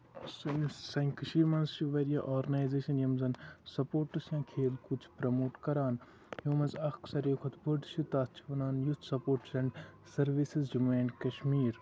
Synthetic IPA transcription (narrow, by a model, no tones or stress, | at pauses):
sɨnsɐ̃ŋkɐʃiːɾmɐnzt͡ʃuʋɐɾija̰ʔoːɾɡɐnaːjzeːʃɐnjɐmzɐnsɐpoːɾʈːɨsjãːkʰeːlkut͡ʃʰpɾɐmoːʈkɐɾaːn | jõːmɐnzɐxksɐɾjoːkʰɐt̪bɐɖʃut̪aːst͡ʃʰiʋɐnaːnjust̪sɐpoːɾʈsɐ̃ɳɖ | sɐɾʋisizd͡ʒumeːɳɖkɐʃmiːɾ